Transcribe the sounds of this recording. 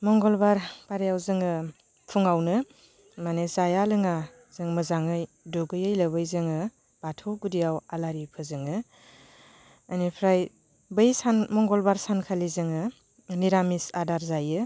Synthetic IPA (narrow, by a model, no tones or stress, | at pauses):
mɔŋɡɔlbaɾpaɾejawzɯŋɯ | pʰuŋawnɯ | manezajalɯŋa | z̥ɯŋmɯzaŋɯj | doɡɯjɯjlɐbɯjzɯŋɯ | b̥atʰɯɡudijawalaɾipʰɯzɯŋɯ | nipʰɾaj | bɯjsanmɔŋɡɔlbaɾsankʰalizɯŋɯ | niɾamisadaɾzajɯ